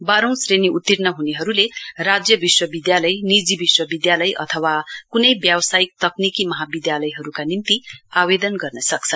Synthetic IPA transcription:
baɾõw̃sreniut̪ːirnʌɦuneɦʌɾulerad͡zjʌbiswʌbid̪jalʌjnid͡zibiswʌbid̪jalʌjʔʌ̰t̪ʰʌwakunʌjbjawʌsajik̚t̪ʌknikimʌɦabid̪jalʌjɦʌɾukanint̪iaβed̪ʌnɡʌrnʌsʌk̚t͡sʰʌn

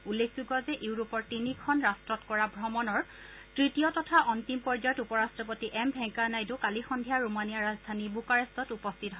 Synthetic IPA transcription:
ulːek̚ʰzuɡɔzɛʔeʊɹupɔɹtinikʰɔnɹastɹɔtkɔɹabʱɹɔmɔnɔɹ | tɹitijɔtɔtʰaʔɔntimpɔɹzajɔtupɔɹastɹɔpotiʔɛmbʱɛŋkanajdʊkalixɔndʱijaɹumanijaɹazdʱanibukaɹɛstɔtupɔstʰitɔɦɔ

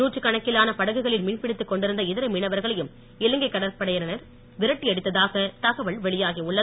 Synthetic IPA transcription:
nuːʈːɯkːɐɳɐkːɪlaːnɐpɐɽɐɣɯɣɐɭɪlmɪɳpɪɽɪt̪ːɯkːɔɳɖɪɾɯnd̪ɐɪðɪɾɐmɪɳɐʋɐɾɣɐɭɐjɯm | ɪlɯŋɡɐɪkːɐɽɐɾpɐɽɐjɐnɐnɐɾ | ʋɪɾɐʈːiɐɽɯt̪ːɐðaːɣɐt̪ɐɣɐʋɐɭʋɛɭɪjaːɣiʊɭːɐ

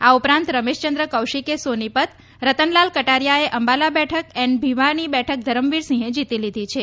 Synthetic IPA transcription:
aupɾãnt̪ɾəmeʃt͡ʃənd̪ɾəkəwʃikesonipət̪ | ɾət̪ənlalkəʈaɾjaeʔəmbalabɛʈʰəkɛnbʱiʋaɾnibɛʈʰək̚d̪ʱəɾəmʋiɾsĩɦẽd͡ʒit̪ilid̪ʱit͡ʃʰe

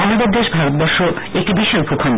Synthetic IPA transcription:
alad̪eɾd̪eʃbʱaɾot̪̚bɔɾʃo | ek̚ʈibiʃojbʱukʰɔn

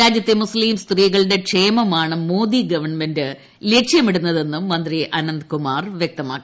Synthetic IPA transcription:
ɾaːd͡ʑjɐt̪ːemusliːmst̪riːɣɐɭɽe̞kʂe̞ːmɐmaːɳɨmo̞ːd̪iɡɐʋɐɳmendɨ | leːkʂjɐmeɽunːɐðe̞nːumːɐnd̪riʔɐnɐnd̪kumaːrʋjek̚t̪ɐmaːkːi

